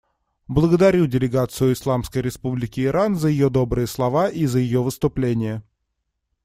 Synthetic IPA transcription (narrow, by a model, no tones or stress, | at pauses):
blˠəɡəd̪ɐɾʲudʲɪlʲɪɡat̪sɨjʊɪslˠamskəjɾʲɪspublʲɪkʲɪːɾʔanzəjɪjo̞d̪o̞bɾɨjəslˠɐvaʔizəjɪjovɨst̪ʊplʲenʲɪjə